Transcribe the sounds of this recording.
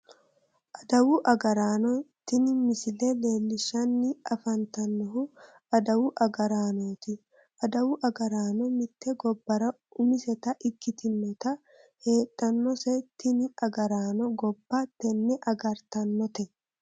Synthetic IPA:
ʔɐd̪ɐwʊʔɐɡɐɾaːnɔt̪ːɪnmɪsɪlɛle̞ːlːɪʃɐnːɪɐfɐnt̪ɐnːɔɦʊ | ɐd̪ɐwʊʔɐɡɐɾaːnoːt̪ɪ | ʔɐd̪ɐwʊʔɐɡɐɾaːnɔmɪt̪ːɛɡɔbːɐɾɐ | ʊmɪsɛt̪ɐʔɪkːɪt̪ɪnːɔt̪ɐ | he̞ːt̪ʼːɐnːɔsɛt̪ːɪnɪɐɡɐɾaːnɔɡɔbːat̪ɛnːɛʔɐɡɐɾt̪ɐnːɔt̪ɛ

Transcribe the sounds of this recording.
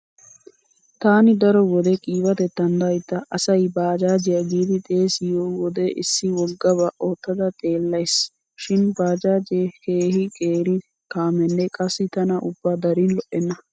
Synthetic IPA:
t̪aːnɪd̪ɐɾɔwɔd̪ɛkʼiːwɐt̪ɛt̪ːɐnd̪ɐjt̪ːɐʔɐsɐjbaːd͡ʒaːd͡ʒɪjɐɡiːd̪ɪt̪ʼeːsɪjoːwɔd̪ɛʔɪsːɪwɔɡɐbɐʔoːt̪ːɐd̪ɐt̪ʼe̞ːlːɐjs | ʃɪnbaːd͡ʒaːd͡ʒekeːhɪkʼeːɾɪ | kaːmɛnːɛkʼɐsːɪt̪ɐnɐʔʊbːɐd̪ɐɾinlɔʔɛnːɐ

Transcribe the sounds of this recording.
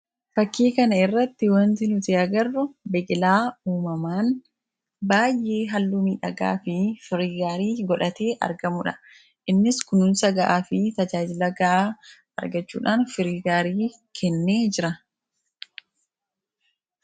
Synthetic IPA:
fɐkːeːkɐnɐɪrːɐt̪ːɪwɐnt̪ɪnʊt̪ɪɐɡɐrːʊbɛʔɪlaːuːmɐmaːn | baːjʔe̞ːɦɐlːuːmiːᶑɐɡa̰ːfɪfɪɾiːɡaːɾiːɡɔᶑɐt̪e̞ːʔɐ̰ɾɡɐmʊᶑɐ | ʔɪnːɪskʊnʊnsɐɡɐʔaːfɪt̪ɐd͡ʒaːd͡ʒɪlɐɡaa | ɐ̰ɾɡɐt͡ʃːṵːᶑaːnfɪɾiːɡaːɾiː | kʰɛnːeːd͡ʒɪɾɐ

